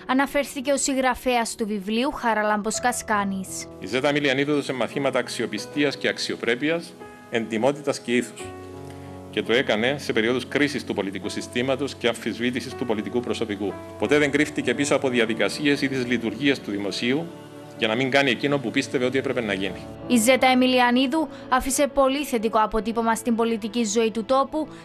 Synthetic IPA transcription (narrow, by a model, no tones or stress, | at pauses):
ɐnɐfe̞ɾθice̞o̞siɣɾɐfeɐst̪uvivliuxɐɾɐlɐmbo̞skɐskɐnisizet̪ɐmiliɐniθot̪osemːɐθimɐt̪ɐːksio̞pist̪iɐsce̞ɐksio̞pɾe̞piɐs | e̞nd̪imo̞t̪it̪ɐsce̞iθu̥s | ce̞t̪oe̞kɐne̞se̞pe̞ɾio̞ðuskɾisist̪upo̞lit̪ikusist̪imɐt̪o̞sceɐɱfːizvit̪isist̪upo̞lit̪ikupɾo̞so̞piku | po̞t̪e̞ðe̞ŋɡɾift̪ice̞pisoɐpo̞ðiɐðikɐsie̞siðizlit̪uɾʝiest̪uðimo̞siu | ʝɐnɐmiŋɡɐnie̞cino̞mpupist̪e̞ve̞o̞t̪ie̞pɾepe̞nɐʝini | ize̞t̪ɐemiliɐniðu | ɐfise̞po̞liθe̞t̪̬iko̞ɐpo̞t̪ipo̞mɐst̪imbo̞lit̪icizo̞it̪ut̪o̞pu